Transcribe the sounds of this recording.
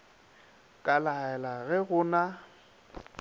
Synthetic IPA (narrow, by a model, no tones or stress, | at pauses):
kʼalaɛlaɣɛɣʊna